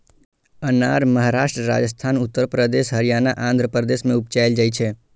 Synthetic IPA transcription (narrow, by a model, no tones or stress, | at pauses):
ənaːɾməɦaɾaːʃʈɾəɾa̰ːd͡ʒəs̬t̪ʰaːnʊt̪ːəɾpɾəd̪eːʃɦəɾijaːnaʔãːnd̪ʱɾəpɾəd̪eːsmẽʊp̚t͡ʃaːɪld͡ʒait͡ʃʰɛ